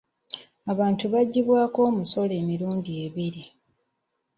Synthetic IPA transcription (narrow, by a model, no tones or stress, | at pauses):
aβaːntuβaɟːiβwaːko̞ːmuso̞le̞ːmiɾuːndieβiɾi